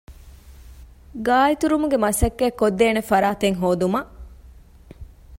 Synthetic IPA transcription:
ɡaːit̪uɾumuɡemɐsɐkːeːkːod̪ːeːnefɐɾaːt̪eŋɦoːd̪umɐʔ

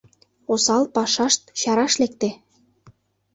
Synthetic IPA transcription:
osɑlpɑʃɑʃt̪̚ɕɑɾɑʃlekt̪e

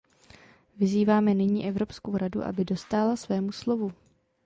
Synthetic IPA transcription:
vɪziːvaːmɛnɪɲḭːʔɛvɾo̞pskowɾaduʔa̰bɪdo̞st̪aːlasvɛːmuslo̞vu

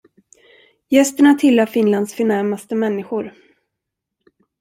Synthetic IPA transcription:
jɛst̪əɳat̪ʰɪlːafɪnland̪sfœɳæɾmast̪əmɛnːɪɧʊɾ

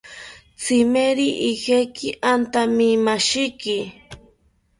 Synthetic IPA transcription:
t͡sʰɪmeɾiʔihekʰɪʔant̪amimaʃɪkɪ

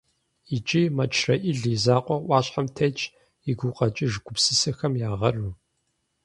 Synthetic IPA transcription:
it͡ʃʼimɐt͡ʃʰrɐʔɪɮizaːqʷʼɔʔʷɑːɕħamtʰɐt͡ʃʼ | iɡʷuqʼɐt͡ʃʼɪʒɡʷʊpsɨsɨxɐmjaːʁɐru

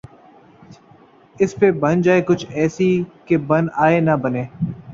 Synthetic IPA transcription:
ɪspebɐnd͡ʒaːekʊt͡ʃʰɛːsikebɐnaːenɐbɐneː

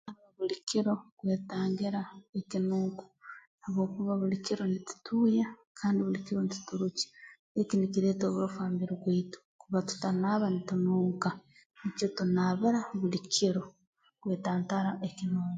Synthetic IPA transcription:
aβaβulikiɾo̞kweːtaːŋɡiɾaekinuːŋku̥ | aβwo̞ːkuβaβulikiɾo̞nitu̥tuːjakʰaːndiβulikiɾonitu̥tuɾuci̥ | ekinikiɾeːtoːβuɾufaːmbiɾiβweitu̥kuβatu̥tanaːβanitunuːŋka | nit͡ʃotunaβiɾaβulikʰiɾo | kwe̞ːtaːntaɾaʔekinuːŋɡo

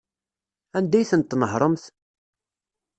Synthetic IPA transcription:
ænd̪æjθənt̪ːnəɦɾˤəmθ

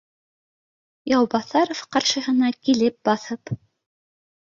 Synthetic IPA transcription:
jɑwbɑθɑɾofqɑɾʃɤ̆ɦɤ̆nɑkilɘp̚bɑθɤp

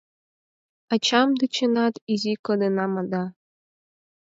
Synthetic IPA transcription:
ɑt͡ɕɑmd̪ɨt͡ɕɯnɑt̪izʲikɤ̆d̪ɯnɑmɤ̆d̪ɑ

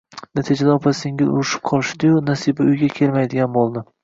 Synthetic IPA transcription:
nat̪ʰid͡ʒad̪aɒpʰasɪŋʲɪlʊ̰ɾɪʃɪ̥p̚qʰɒlˠɪʃd̪ɪjʊnasibaʊjɡʲakʲʰe̞lmajd̪ɪɡʲanbolˠd̪ɪ

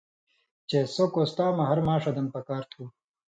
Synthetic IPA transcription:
t͡ɕesokost̪aːmɐɦɐɾmaːʂɐd̪ɐmpɐkaːɾt̪ʰuː

